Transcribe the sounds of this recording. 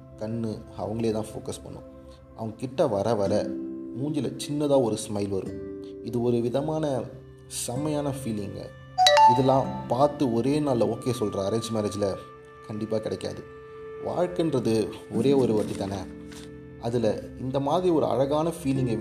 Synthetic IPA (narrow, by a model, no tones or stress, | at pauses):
kɐnːɯɐ̰ʋɐŋɡɐɭeːt̪ãːfo̰ːkɐspɐ̰ɳːʊ̰̃ | ʔɐ̰ʋɐŋɡɐkɪʈːɐʋɐɾɐʋɐɾɐmuːɲd͡ʒɪlɐ̰t͡ʃɪnːɐðãːɔɾɯsmɐɪlʋɐɾɯ̰̃ɪðɯɔɾɯʋɪðɐmaːnɐ | sɐmɐjaːnɐfiːlɪŋɡɐ̰ | ɪðɛlːãːpaːɾt̪ɯɔɾeːnaːlɐoːkeːsɔlɾɐːɾɐɲd͡ʒmɛːɾɐd͡ʒɪlɐ | kɐɳɖɪpːaːkɪɽɐkːa̰ːðɯ | ʋa̰ːɻkɪndɾɐðɯɔɾeːɔɾɯʋɐʈːit̪aːnɐ | ɐðɪlɐɪnd̪ɐmaːðɪɾiɔɾɯ̰ɐ̰ɻɐɣaːnɐfiːlɪŋɡ